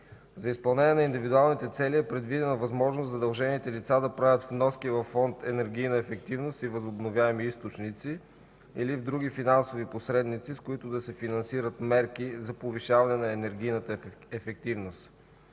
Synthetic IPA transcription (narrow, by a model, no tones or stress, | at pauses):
zɐispɐlˠnɛniɛnɐind̪ivid̪ualˠnit̪ɛt̪sɛliɛpɾɛd̪vid̪ɛnəvɐzmɔʒnoszɐd̪ɐlˠʒɛnit̪ɛlit̪sad̪ɐpɾavʲət̪vnɔskivɐfːɔnt̪ɛnɛɾɡ̟ʲijnəɛfɛk̚t̪ivnost̪ivɐzʊbnovʲjaɛmiist̪ot͡ʃnit̪si | ilivd̪ɾuɡ̟ifinansoviposɾɛd̪nit̪siskʊit̪ʊd̪ɐsɛfinɐnsiɾət̪mɛɾkizɐpoviʃavɐnɛnɐɛnɛɾɡʲijnət̪əɛfɛk̚t̪ivnost̪